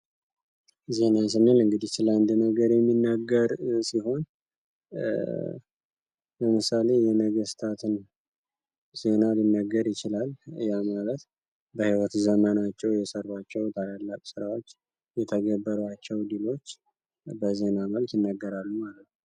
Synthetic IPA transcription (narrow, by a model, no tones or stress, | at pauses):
ze̞nas̬ɨnːelɨŋɡɨd̪it̪ɨland̪inəɡəɾjɛmːinːəɡːəɾsiɦo̞n | ləmɨsale̞jɛnəɡəst̪ʰat̪ʰɨn | z̥e̞nalinːəɡəɾjɪt͡ʃɪlaljamalət̪ | bəhiwət̪zəmənat͡ʃːɛwjɛsərat͡ʃːɛwt̪ʰalalːakʼsɨɾawo̞t͡ʃː | jɛt̪ʰəɡəbːəɾat͡ʃːɛwd̪ilo̞t͡ʃː | bəze̞naməlkjɪnːəɡːəɾalːumalət̪nəw